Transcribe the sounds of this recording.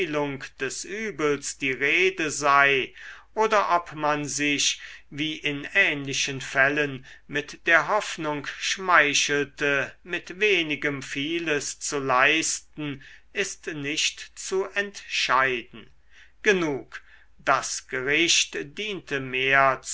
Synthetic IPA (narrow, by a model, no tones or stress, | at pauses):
lʊŋkd̥ɛsʔyːbəl̩sd̥iːʁeːdəzaɪʔoːdɐʔɔpmanzɪʃviːʔɪnɛːnlɪʃənfɛlənmɪtd̥eːɐɦɔfnʊŋkʃmaɪʃl̩təmɪtveːnɪɡəmfiːləst͡sulaɪstn̩ɪstnɪʃtt͡suʔɛntʃaɪdn̩ | ɡ̥ənuːk | d̥asɡ̥əʁɪʃtd̥iːntʰəmeːɐt͡s